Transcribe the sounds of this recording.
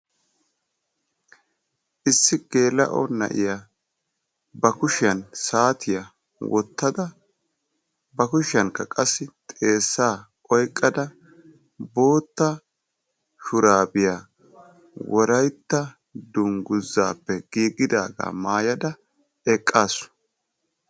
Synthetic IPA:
ʔɪsːɪɡ̥e̞ːlɐ̰ʔɔ̰nɐ̰ʔɪ̰ja | bɐkʊʃɪjɐnsaːt̪ʰɪjɐ | wɔt̪ːɐd̪ɐ | bɐkʊʃɪɐŋkɐkʼɐsːɪt̪ʼe̞ːsːaː | ʔɔjkʼːɐd̪ɐ | bo̞ːt̪ːɐ | ʃʊɾaːbɪjaː | wɔɾɐjt̪ːɐ | d̪ʊŋɡʊzːa̰ːpːɛɡ̥iːɡɪd̪aːɡa̰ːmaːjɐd̪ɐ | ɛkʼːaːsːʊ̥

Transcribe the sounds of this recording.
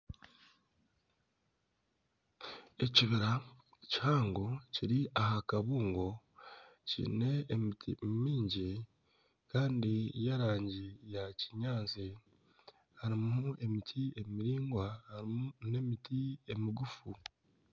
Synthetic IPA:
e̞ciβiɾa | chaːŋɡociɾiaɦakaβuːŋɡo̞ | cḭne̞ːmitʰḭmiːɲɟi | kaːndijaɾaːɲɟijaciɲaːnt͡si | haɾimue̞mitʰie̞miɾiːŋɡwahaɾimune̞mitie̞miɡufu

